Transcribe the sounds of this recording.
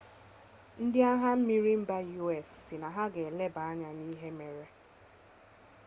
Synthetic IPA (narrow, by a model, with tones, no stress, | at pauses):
n̩˦dɪ˦a˦ɦa˦m̩˦mi˦ɾi˦m̩˦ba˦ju˦ɛ˨sːɪ˨na˨ɦa˦ɡe˨le˦ba˨a˦ɲa˨niː˦ɦe˦me˨ɾe˦